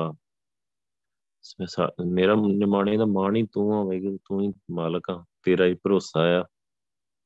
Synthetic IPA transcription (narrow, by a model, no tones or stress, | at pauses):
aː | sa̰meːɾaːmaːɳẽːd̪aːmaːɳiːt̪ũːãːʋɛːɡt̪ũːĩːmaːləkãːt̪eːɾaːiːpəɾoːsaːjaː